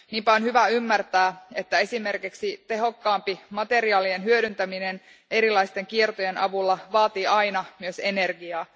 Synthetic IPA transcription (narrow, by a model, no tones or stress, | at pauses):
niːmpæonhyʋæymːært̪æːe̞t̪ːæe̞sime̞rkiksit̪e̞ɦo̞kːɑːmpimɑt̪e̞ɾiɑːlienɦyøɾynt̪æminen | e̞ɾilɑist̪e̞ŋkiert̪oje̞nɑ̰ʋulːɑʋɑːt̪iːɑjnɑmyøse̞ne̞rɡiɑː